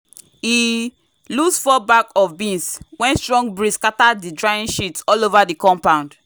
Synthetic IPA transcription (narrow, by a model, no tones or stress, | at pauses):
hi | lusfɔbakɔfbĩnswɛ̃nstɹɔ̃ŋɡbɹiskatadidɹaĩnʃitsɔlovadikɔ̃mpãʊ̃nd